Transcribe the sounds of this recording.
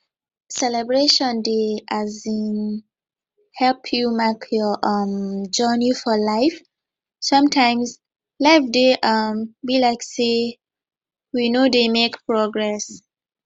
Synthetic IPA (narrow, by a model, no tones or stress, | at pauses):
sɛlɛbɹeʃɔ̃ndeʔazĩn | hɛlpʰjumakʰjɔʔʌmd͡ʒɜnifɔlaɪf | sʌ̃mtʰãɪ̃mz | laɪfdeʔʌmbilaɪkse | winodemekpʰɹɔɡɹɛs